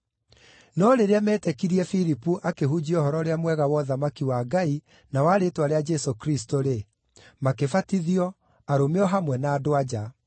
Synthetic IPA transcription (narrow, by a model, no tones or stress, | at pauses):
nɔɾeɾeamɛtɛkiɾiɛfiɾipuʔakeɦud͡ʑiɔhɔɾɔɾeamwɛɣawɔðamakiwaɡai | nawaɾetwaɾead͡ʒɛsokɾistoɾe | makefatiðiɔ | aɾomeɔɦamwɛnaːdoad͡ʑa